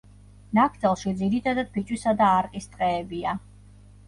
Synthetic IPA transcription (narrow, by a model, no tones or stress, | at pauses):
nakʰd̪ɛlˠʃid̪ziɾit̪ʰad̪ad̪̥̚bit͡ʃʼwisad̪aːɾqʼist̪ʼqʼɛːbia